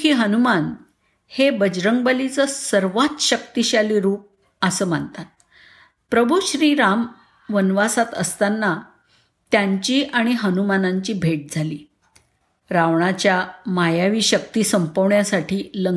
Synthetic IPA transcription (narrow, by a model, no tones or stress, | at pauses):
iːɦənuman | hebəd͡ʑɾəŋɡbəlit͡səsəɾʋat̪ɕək̚t̪iɕaliːɾuːp̚ | əsəːm̤ant̪at̪̚ | pɾəbʱuɕɾiːɾam | ʋənʋasat̪əst̪anːa | t̪jaɲt͡ɕiːʔaɽ̃iɦənumanaɲt͡ɕiːbʱeʈ̚d͡zʱaliː | ɾaʋɳat͡ɕjamajaʋiːɕək̚t̪iːsəmpəʋɳjasaʈʰiːlə